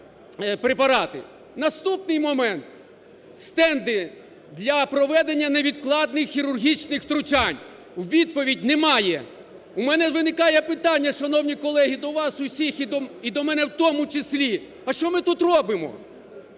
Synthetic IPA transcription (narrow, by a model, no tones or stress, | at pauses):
pɾepɐɾɑt̪ɪ | nɐst̪upnɪjmɔmɛnt̪ | st̪ɛnd̪ɪ | d̪lʲɐpɾɔʋɛd̪enʲːɐneʋʲid̪klˠɑd̪̚nɪxːʲiɾʊrɦʲit͡ʃnɪxt̪ɾʊt͡ʃɑnʲ | wʋʲid̪̚pɔʋʲidʲnɛmɑjɛ | umɛnɛʋɪnɪkɑjɛpɪt̪ɑnʲːɐʃɐnɔwnʲikɔlˠɛɦid̪ɔʋɑsʊsʲixid̪ɔmɛnɛwt̪ɔmʊt͡ʃɪslʲi | ɐʃt͡ʃɔmɪt̪ut̪rɔbɪmɔ̰